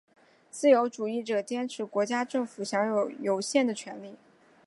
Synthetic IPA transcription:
t͡sɹ̩˥˩jo˧˥ʊʈ͡ʂu˨˩i˥˩ʈ͡ʂɤ˨˩t̪jɛ˥nʈ͡ʂʰɻ̩˧˥kwɔ˧˥t͡ɕja˥ʈ͡ʂɤ˥˩ŋfu˨˩ɕjɑ˧˥ŋjo˨˩ʊjo˧˥ʊɕjɛ˥˩nd̪ə˩t͡ɕʰɥɛ˧˥nli˥˩

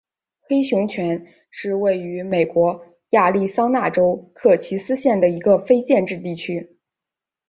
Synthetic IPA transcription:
xe˥ɪɕjʊ˧˥ŋt͡ɕʰɥɛ˧˥n | ʂɻ̩˥˧we˥˩ɪy˧˥me˨˩ɪkwɔ˧˥ | ja˥˧li˥˩sɑ˥ŋna˥˩ʈ͡ʂo˥ʊkʰɤ˥˩t͡ɕʰi˧˥sɹ̩˥ɕjɛ˥˩nd̪ə˩i˧˥ɡə˧fe˥ɪt͡ɕjɛ˥˧nʈ͡ʂɻ̩˥˧t̪i˥˩t͡ɕʰy˥

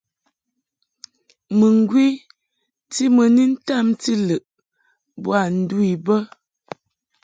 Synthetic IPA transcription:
mə˨ŋ˨ɡwi˦ | ti˦mə˨ni˦n̩˦ta˦˨mti˦lə˨ʔ | bwa˨n̩˨du˦i˨bə˦

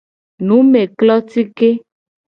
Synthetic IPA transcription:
nũ˨˦me˨klɔ˦t̪i˦ke˦

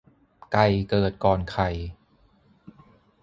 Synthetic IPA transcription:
ka˧˩jkɤː˨˩t̪̚kɔː˨˧nkʰa˨˩j

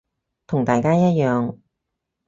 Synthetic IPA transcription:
t̪ʰʊ˨˩ŋt̪aː˨jkaː˥jɐ˥t̚jœː˨ŋ

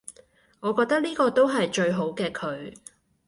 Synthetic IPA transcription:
ŋɔː˨˧kɔː˧k̚t̪ɐ˥k̚liː˥kɔː˧t̪o˥wɦɐ˨jt͡ʃɵ˧ɥɦo˨˥wkɛː˧kʰɵ˨˧ɥ

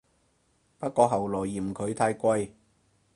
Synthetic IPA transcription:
pɐ˥t̚kɔː˧ɦɐ˨˩wlɔː˨˩jːiː˨˩m̩˨kʰɵ˨˧ɥt̪ʰaː˧jkʷɐ˧j

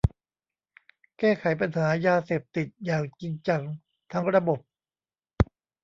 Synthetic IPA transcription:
kɛː˥˩kʰa˩˦jpa˧nɦaː˩˦jaː˧seː˨˩p̚t̪i˨˩t̪̚jaː˨˩ŋt͡ɕi˧ŋt͡ɕa˧ŋ | t̪ʰa˦˥ŋɾa˧bo˨˩p̚

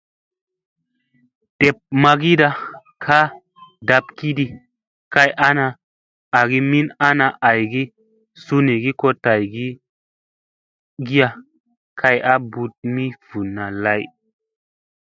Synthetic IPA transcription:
te˨p̚ma˧ɡi˦da˧ | kʰa˦ | da˧pki˦di˨ | ka˧jʔa˦naː˧˨ | ɡi˦mi˦na˦na˧ʔa˨jɡi˦ | su˧ni˨ɡi˦ko˧ta˨jɡi˦ | ɡi˦ja˧ | kʰa˧ja˦bu˧t̚mi˦v̥u˨nːa˨la˦j

